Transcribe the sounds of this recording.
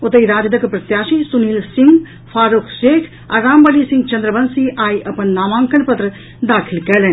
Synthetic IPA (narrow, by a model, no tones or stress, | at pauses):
ʊt̪ɐjɾaːd͡ʒɐd̪ɐkpɾɐt̪jaːʃisuniːlsɪ̃ŋɡ | pʰaːɾukʰʃeːkʰ | a̰ɾaːmbɐlisɪ̃ŋɡt͡ʃɐnd̪ɾəbɐnsiʔaːjʔɐpənːaːmãːŋkɐlpɐt̪ɾə | d̪aːkʰilkɛːlen